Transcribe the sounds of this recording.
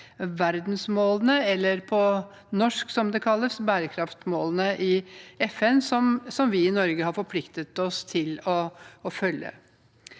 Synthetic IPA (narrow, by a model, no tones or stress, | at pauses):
ʋæɾd̪nsmoːlənəɛlːəɾpʰɔ | nɔʂksɔmd̪ɛkʰɑlːəsbæːɾəkʰɾɑft̪moːlənəʔɪɛfɛnsɔmsɔmʋɪɪnɔɾɡəhɑɾfɔɾpʰlɪkt̪ət̪ɔst̪ʰɪlɔːfœljə̰